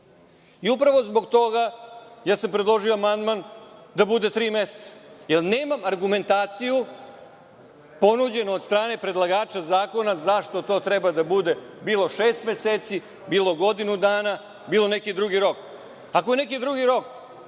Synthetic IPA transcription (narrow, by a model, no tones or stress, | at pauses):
iupɾaʋo̞zbo̞ɡt̪o̞ɡajaːsampɾed̪lˠo̞ʒioamand̪mand̪abud̪e̞t̪ɾiːmese̥t̪sḁjelˠne̞ːmamaɾɡume̞nt̪aːt̪siju | po̞nud͡ʑe̞noːd̪st̪ɾaːne̞pɾe̞d̪lˠaɡaːt͡ʃazaːko̞nazaʂt̪o̞t̪o̞ːt̪ɾɛbad̪abud̪e̞biːlo̞ʃeːst̪meseːt̪si | biːlˠo̞ɡo̞d̪inud̪aːna | biːlo̞nekid̪ɾuɡiɾo̞k | ako̞je̞nekid̪ɾuɡiɾo̞k